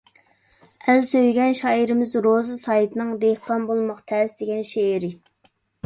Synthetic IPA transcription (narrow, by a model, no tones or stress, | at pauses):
ælsøjɡʲɛnʃɑːiɾɪmɪzɾozɨsɑjt̪ʰɨnɨŋd̪ehqʰɑnbolˠmɑqt̪ʰɛsd̪eɡʲɛnʃeɾɪ